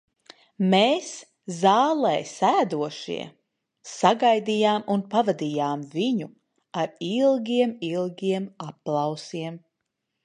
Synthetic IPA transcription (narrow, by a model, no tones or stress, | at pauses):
meːs | zɑːlˠɛjsæːd̪uɔʃḭɛ | saɡajd̪ijaːmunpavad̪ijaːmviɲu | aɾilˠɡʲiɛmilˠɡʲiɛmapːlˠawsiɛm